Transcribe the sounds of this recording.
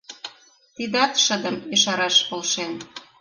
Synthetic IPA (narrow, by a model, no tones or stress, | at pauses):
t̪id̪ɑt̪ʃə̆d̪əmiʃɑɾɑʃpolʃen